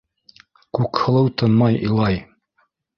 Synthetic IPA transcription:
kʉkhɤ̆lˠɤwt̪ɤ̆nmɑjilˠɑj

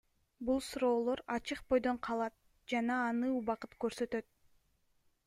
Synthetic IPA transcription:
bulˠsuɾo̞ːlˠo̞ɾɑt͡ʃɯqbo̞jd̪o̞ɴqʰɑlˠɑt̪̚ | d͡ʒɑnɑːnɯuβɑqɯt̪køɾsø̞t̪ø̞t̪̚

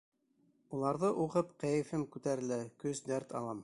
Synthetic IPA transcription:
ulˠɑɾðɤʔuʁɤpqæjɘ̆fɘmkʉt̪æɾɘ̆lækɵsd̪æɾt̪ɑ̰lˠɑm

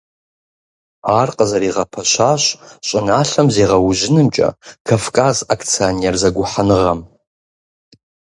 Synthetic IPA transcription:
aːrqʼəzɐɾiːʁɐpʰɐʃʷaɕɕʷʼɪnaːɬɐmzeːʁɐwʊʒɪnɨmt͡ʃʼɐ̰kʰafkʼazakʰt͡sʰionerzɐɡʷʊħanɨʁɐm

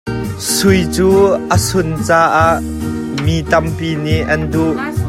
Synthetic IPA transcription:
sʊjt͡suːʔəsʊnt͡saːʔaʔ | mit̪ɐmpiːniʔʔɐnduʔ

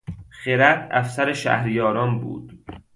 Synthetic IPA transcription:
χeɾæd̪æfsæɾeʃæ̰hɾjɒːɾɒːnbṵːd̪̥

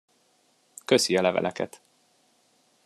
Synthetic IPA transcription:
køsiɒlɛvɛ̰lʔɛkɛt̪

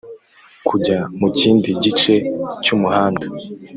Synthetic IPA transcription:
kʰuɟamuciːndiɟit͡ʃe̞cumuhaːnda

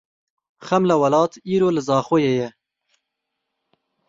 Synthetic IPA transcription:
xɛmlawɐlɑːt̪ʰiːɾoːlɨzɑːxoːjejɛ

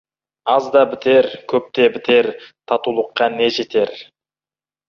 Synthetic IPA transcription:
ɑzd̪ɑbɪt̪e̞ɾkʲʰɵp̚t̪e̞bɪt̪e̞ɾt̪ʰɑt̪ulˠəqːɑne̞ʒe̞t̪e̞ɾ

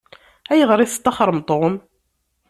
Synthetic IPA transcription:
æjəʁɾˤiθt̪ːɑχɾˤəmt̪ˤːʁəm

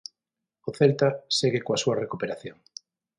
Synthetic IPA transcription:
oθelt̪aseɣɪkoasuarekupeɾaθjoŋ

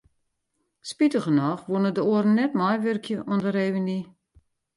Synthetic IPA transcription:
spitəɣənɔxʋunədəoərn̩ːɛtmajʋørkʰjəʔɔndəreːʋəni

